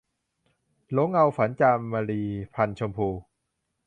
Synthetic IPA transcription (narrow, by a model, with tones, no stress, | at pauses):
lo˦˥ŋʔa˧wfa˩˦nt͡ɕaː˧mːaː˧ɾiː˧pʰa˧nt͡ɕʰo˧mpʰuː˧